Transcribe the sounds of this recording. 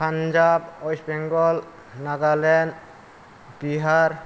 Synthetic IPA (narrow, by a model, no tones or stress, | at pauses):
pand͡ʒabɔjsbɛŋɡɔl | naɡalɛn | biɦaɾ